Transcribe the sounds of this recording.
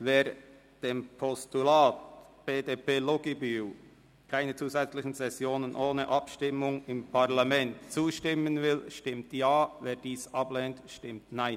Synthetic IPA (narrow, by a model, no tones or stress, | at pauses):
veːɾ | d̥eːmpʰɔstulaːtb̥eːdeːpeːloɡibyw | kʰaɪnət͡suːzɛt͡slɪçn̩zɛsjoːnənʔoːnəʔɑpʃtɪmʊŋɪmpʰaʁlamɛntt͡suːʃtɪmənvɪlʃtɪmtjaːveːd̥iːsɑblɛntʃtɪmtnaɪn